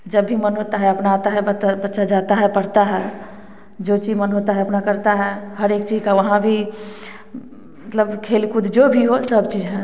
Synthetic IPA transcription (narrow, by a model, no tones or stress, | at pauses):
d͡ʒəbːʱimənɦot̪aɦɛəpnaːt̪aɦɛbət̪bətːʃad͡ʒat̪aɦɛpəɽt̪aɦɛ | d͡ʒot͡ʃimənɦot̪aɦɛəpnakəɾt̪aɦɛhəɾekt͡ʃid͡ʒkaʋəɦãbʱi | mət̪ləbkʰelkud̪ʱd͡ʒobʱiɦosəbt͡ʃid͡ʒɦɛ̃